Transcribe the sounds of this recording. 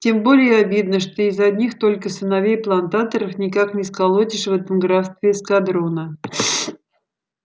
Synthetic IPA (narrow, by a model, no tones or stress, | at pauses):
tʲe̞mbo̞lʲɪjəɐbʲid̪nəʂt̪o̞ɪzɐdʲnʲixt̪o̞lʲkəsənɐvʲejplˠɐnt̪at̪əɾəfnʲɪkaknʲɪskɐlˠotʲɪʂvɛt̪əmɡɾast̪vʲɪskɐd̪ɾonə